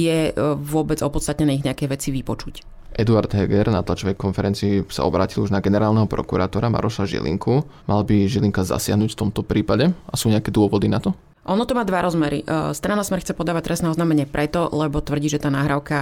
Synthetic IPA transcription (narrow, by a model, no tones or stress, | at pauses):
jɛʋʊɔbɛd͡zɔpɔt̪st̪at̪ɲɛnɛiɣɲɛakɛjʋɛt͡siʋipɔt͡ʃuc | ʔɛd̪uaɾd̪ɦɛɡɛɾnat̪lat͡ʃɔʋɛjkɔnfɛɾɛnt͡siːsa̰ʔɔbɾa̰ːciluʒnaɡɛnɛɾaːlnɛɦɔpɾɔ̰kuɾat̪ɔɾama̰ɾɔʃaʒḭlḭŋkʰumʔa̰lbiʒiliŋkaza̰sɪa̰ɦnuːcft̪ɔmt̪ɔpɾiːpaɟɛasuːɲɛakɛd̪ʊɔʋɔd̪inat̪ɔ | ʔɔnɔt̪ɔmaːd̪ʋaɾɔzmɛɾḭst̪ɾanasmɛɾxt͡sɛpɔd̪aːʋac̚t̪ɾɛsnɛɔznaːmɛɲɪɛpɾʔɛt̪ɔlɛbɔt̪ʋr̩ɟiːʒɛt̪aːnaːɦɾaʊka